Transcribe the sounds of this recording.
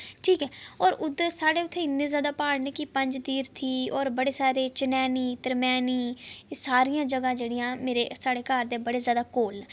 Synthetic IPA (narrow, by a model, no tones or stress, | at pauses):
ʈʰiːkɛːɔːɾʊd̪saːɽeːʊt̪ʰːẽːɪnːẽːzjaːd̪aːpaːɽneːkɪpəɲd͡ʒd̪iːɾt̪ʰiːɔːɾbəɽeːsaːɾeːt͡ʃɪnɛːniːt̪əɾmɛːniːsaːɾijãːd͡ʒəɡãːd͡ʒeːɽijãːmeːɾeːsaːɽeːkaːɾd̪eːbəɽeːzjaːd̪aːkoːl